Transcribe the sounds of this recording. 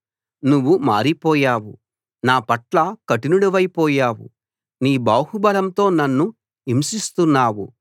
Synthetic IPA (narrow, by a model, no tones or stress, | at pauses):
nuʋːuma̰ːɾipɔːjaːwṵ | naːpɐʈlɐkɐʈinuɽuʋɐjpɔːjaːwṵ | niːbaːhubɐlɐmt̪o̞ːnɐnːu | imsist̪unːaːwu